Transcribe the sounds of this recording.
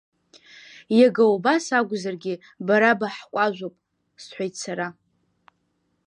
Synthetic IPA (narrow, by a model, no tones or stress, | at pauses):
jaɡawbasaɡʷzarɡʲɪ | baɾabaħkʷʼaʒʷopʼ | sħʷajt͡sʰaɾa